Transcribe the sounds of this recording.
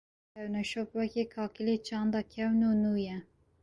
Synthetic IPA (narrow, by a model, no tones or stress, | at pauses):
ɛwnɛʃopwɛkeːkʰɑːkileːt͡ʃʰɑːnd̪ɑːkʰɛwnuːnuːjɛ